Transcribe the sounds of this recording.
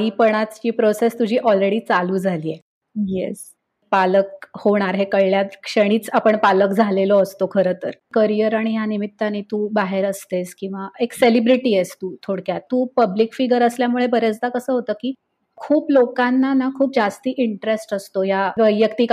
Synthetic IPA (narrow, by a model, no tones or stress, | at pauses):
ipəɽ̃at͡st͡ɕiːpɾosest̪ud͡ʑʱiːʔɔlɾeɽiːt͡saluːd͡zʱaliːe | jḛs | paləkhoɳ̃aɾɦekəjljat̪kʂəɽ̃iːt͡sapəɳpaləkd͡zʱalelɔəst̪okʰəɾəːt̪ə̰ɾkəɾijəɾaɽ̃ijanimit̪ːanit̪uːbaɦeɾəst̪eskĩw̃ʋaekselibɾiʈiːest̪uːt̪ʰoɽkjat̪ːuːpəblikfiɡəɾəsljamuɭebəɾet͡sd̪akəsəːɦot̪əːkiː | kʰuːplokanːanakʰuːp̚d͡zast̪iːʔiɳʈɾesʈəst̪ojaʋəjəkt̪iːk